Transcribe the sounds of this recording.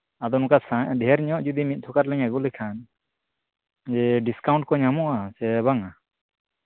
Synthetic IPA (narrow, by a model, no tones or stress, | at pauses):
ad̪ɔnũkasaɖɛɛɾɲɔ̃ʔd͡ʒud̪imit̪̚t̪ʰɔkaɾlɛɲaɡulɛkʰan | d͡ʒɛɖiskawɳʈ̚kɔɲamɔʔasɛβaŋa